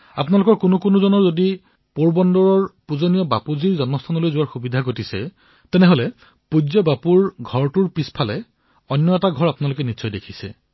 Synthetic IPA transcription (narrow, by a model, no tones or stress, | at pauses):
a̰pnalʊkɔɹkunʊkonuzɔnɔɹzodi | poɹbɔndɔɹɔɹpuzonijɔba̰puziɹzɔnmɔst̪ʰanɔlojzʊwaɹxubidʱaɡotisɛ | tɛnɛɦolɛ | pud͡ʒɔbapuɹɡʱɔɹtuɹpispʰalɛ | ɔnjɔɛtaɡʱɔɹapunalʊkɛnisɔjdekʰisɛ̰